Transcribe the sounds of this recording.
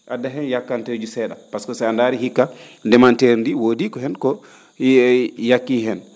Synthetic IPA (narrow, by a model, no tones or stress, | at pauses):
ʔadaɦɛnjakːanted͡ʒusɛɗapaskɔsɛandaɾiɦikːandɛmanteɾndiwoːdikɔɦɛnkɔ | jakːiːɦɛn